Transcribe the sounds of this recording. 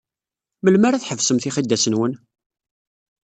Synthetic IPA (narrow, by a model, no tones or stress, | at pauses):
məlmæɾæθħəvsəmθiχid̪ːæsənwən